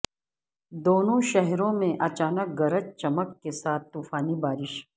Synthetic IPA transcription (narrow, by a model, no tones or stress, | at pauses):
d̪oːnõʃɛɦɾõmẽʔɐt͡ʃaːnək̚ɡɐɾət͡ʃt͡ʃɐməkːesaːt̪̚t̪uːfaːnibaːɾɪʃ